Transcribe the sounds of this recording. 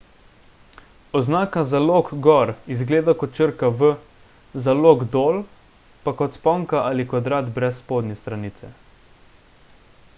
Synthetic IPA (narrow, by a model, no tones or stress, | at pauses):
ɔznaːkazaloːkɡɔɾizɡleːd̪akɔt͡ʃəɾkaʋə | zaloːɡd̪oːl | pakɔt̪spɔːŋkaʔalikʋad̪ɾaːt̪bɾɛsːpoːd̪nɛst̪ɾaniːt̪sɛ̰